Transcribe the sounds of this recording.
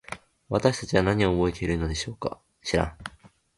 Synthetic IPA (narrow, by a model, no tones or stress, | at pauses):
βat̪aɕi̥t̪at͡ɕiβanaɲ̟io̞ːbo̞et̪e̞iɾɯ̟no̞d̪e̞ɕo̞ːka̰ | ɕiɾã̰ŋ